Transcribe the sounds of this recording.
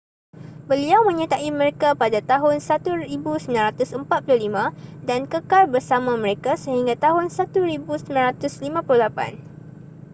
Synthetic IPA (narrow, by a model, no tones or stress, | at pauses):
bəliawmə̃ɲət̪aʔimə̃ɾekapadat̪aɦʊnsat̪uɾibusəmilanɾat̪ʊsəmpat̪̚pulʊhlimãdankəkalbərsamãmə̃ɾekasəɦiŋɡat̪aɦʊnsat̪uɾibusəminãnɾat̪ʊslimãpululapa̰n